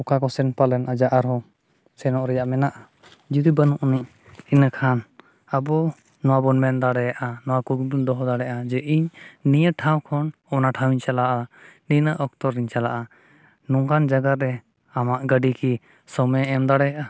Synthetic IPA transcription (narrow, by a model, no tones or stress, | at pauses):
ɔkakɔsɛnpalɛnad͡ʒaʔaɾɦɔ | sɛnɔʔɾɛjaʔmɛnaʔa | d͡ʒud̪ibanuʔuniʔ | inəkʰan | abɔ | nɔwabɔnmɛnd̪aɽɛjaʔanɔwakuɡbund̪ɔɦɔd̪aɽɛʔad͡ʒɛʔiɲnijəʈʰaw̃kʰɔnɔnaʈʰawiɲt͡ʃalaʔaninəʔɔk̚t̪ɔɾːiɲt͡ʃalaʔa | nɔŋkand͡ʒaɡaɾɾɛ | amaʔɡəɖiki | sɔmɛ̃ɛmd̪aɽɛjaʔa